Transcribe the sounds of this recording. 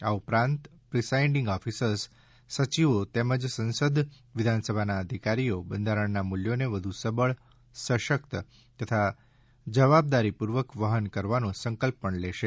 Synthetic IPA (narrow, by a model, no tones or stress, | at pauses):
aupɾãnt̪pɾisaiɳɖĩŋɡɔfisəɾs | sət͡ʃiʋot̪eməd͡ʒsə̃nsəd̪ʱ | ʋɪd̪ʱansəbʱanaəd̪ʱikaɾiobənd̪ʱaɾəɳnamuljoneʋəd̪ʱusəbəɭ | səʃəkt̪ə | t̪ət̪ʰa | d͡ʒəʋab̚d̪aɾipuɾʋəkʋəɦənkəɾʋanũsəŋkəlpːəɳleʃe